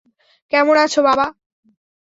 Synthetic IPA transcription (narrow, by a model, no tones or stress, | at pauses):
kɛmonat͡ɕʰobaba